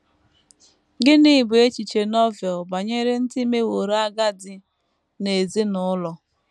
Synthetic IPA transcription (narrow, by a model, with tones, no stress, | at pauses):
ɡɪ˦ni˦˨bʊ˨e˦t͡ʃi˨t͡ʃe˨nɔ˦vjɔ˨ba˨ɲe˦ɾe˦n̩˦ti˦me˦wo˨ɾa˦ɡa˦dɪ˨ | ne˨zi˦nʊ˦lɔ˨